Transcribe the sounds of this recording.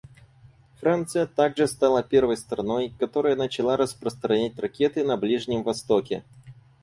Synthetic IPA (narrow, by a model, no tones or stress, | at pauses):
fɾant̪sɨjət̪aɡʐɨst̪alˠapʲe̞rvəjst̪ɾɐno̞jkɐt̪o̞ɾəjənət͡ɕɪlˠaɾəspɾəst̪ɾɐnʲæt̚ʲrɐkʲet̪ɨnɐblʲiʐnʲɪmvɐst̪okʲɪ̰